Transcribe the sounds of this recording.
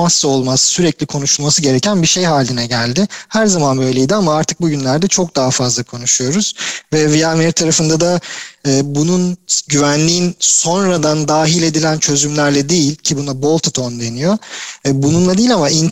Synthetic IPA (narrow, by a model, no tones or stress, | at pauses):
asːo̞lˠmasːyɾɛclʲikʰo̞nuʃulˠmasɯɟe̞ɾecʰænbiʃe̞jɦaːlʲinɛɟælʲd̪ɪhæɾzamanbø̞jlʲe̞jd̪iamaaɾt̪ʰɯ̥k̚buɟynlʲæɾd̪ɛt͡ʃʰo̞k̚d̪aɦafazlˠakʰo̞nuʃujo̞ɾuz̥vɛviameɾt̪ʰaɾafɯnd̪ad̪aɯːbununɟyvænlʲiːnso̞nɾad̪and̪aːɦilʲe̞d̪ilʲænt͡ʃʰø̞zymlʲæɾlʲɛd̪ejilʲcʰibunabo̞lˠt̪ʰat̪ʰond̪e̞nijo̞bununlˠad̪iːlʲamain